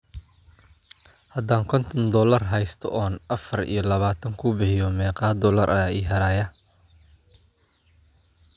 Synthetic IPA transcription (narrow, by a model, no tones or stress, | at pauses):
hɐd̪aːŋkʰɔnt̪ʰɔnd̪ɔːlɐrɦɛjst̪ʰɔ̰ʔɔːnɐfɐrḭjɞlɐβaːt̪ʰɐŋkʰʊbɪhɪjɔmɛːqɑːd̪ɔːlɐɾʔɐaːiːɦɐɾaːjɐ